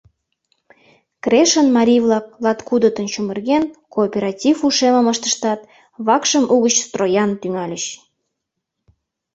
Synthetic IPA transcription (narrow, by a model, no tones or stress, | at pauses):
kreʃənmɑɾʲijvlɑk̚lɑt̪kud̪ət̪ənt͡ɕumərɣenkoːpʲeɾɑtʲifuʃeməməʃt̪ə̥̆ʃt̪ɑt̪̚ | βɑkʃəmuɣət͡ɕst̪rojɑnt̪yŋɑlʲəɕ